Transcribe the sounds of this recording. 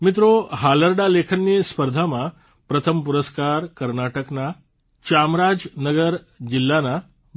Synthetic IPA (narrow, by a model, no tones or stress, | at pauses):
mit̪̬ɾoɦaləɾɖalekʰənːispəɾd̪ʱama | pɾət̪ʰəmpuɾəskaːɾkəɾnaʈəkna | t͡ɕamɾaːd͡ʒnəɡəɾ | d͡ʑilːana